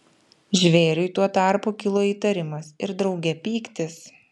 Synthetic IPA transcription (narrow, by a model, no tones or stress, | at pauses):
ʒʲʋʲeːɾʲʊɪt̪uɔt̪ɑˑɾpuːkʲɪlˠoːiːt̪ɐɾʲɪmɐsɪɾd̪ɾɒʊɡʲɛpʲiːkt̪ʲɪs